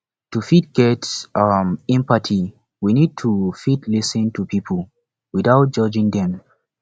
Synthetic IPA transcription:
tufit̚ɡ̥ɛtmɛ̃mpatʰi | winid̚tʰufitlisə̃ntupipʰəlˠ | widaʊt̚d͡ʒ̥ʌd͡ʒĩŋdɛ̃m

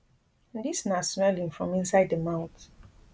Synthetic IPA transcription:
disnasnalĩnfɹɔ̃mĩnsaɪddəmãʊ̃nt

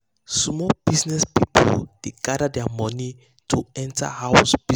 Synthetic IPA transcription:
smɔb̥isnɛspipʰɔ̰ld̥eɡadadɛamɔ̃ni | tʰuɛ̃ntʰa̰hawsb̥i

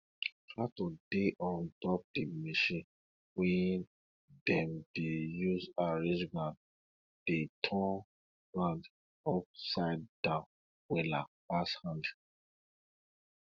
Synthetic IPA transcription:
tɹatodeʔɔ̃ndɔp̚dimiʃĩn | wɛ̃n | dɛ̃md̥ejuzaɹẽd͡ʒɡɹãd | d̥etʰɔ̃n | ɡɹãnd | ɔp̚saɪd̚dãn | wɛlapashãnd

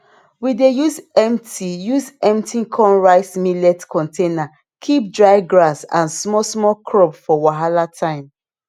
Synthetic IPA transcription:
widejuzɛ̃mtʰijuzɛ̃mtĩkʰɔ̃nɹaɪsmilɛtkʰɔ̃ntʰena | kʰip̚dɹaɪɡɹasã̰nsmɔsmɔkʰɹɔpfɔwaɦalatʰãɪ̃m

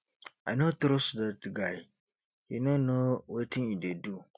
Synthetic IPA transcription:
ajnotɾosdatɡaɪ | hinõnowetʰĩnidedu

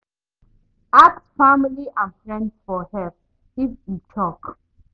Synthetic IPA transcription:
aksfamiliʔãnfɹɛ̃ndsfɔhɛp̚ | ifjut͡ʃʰɔk

